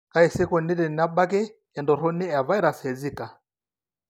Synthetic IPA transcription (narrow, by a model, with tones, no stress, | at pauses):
ka˦i˨si˦kɔ˨ni˦ɾɛ˨n˨a˦ba˦k̬ɛ˦ | ɛ˨ndɔ˨ɾɔ˦nɛ˦a˨βa˦i˦ɾa˨sɛ˨d͡zi˦˨ka˨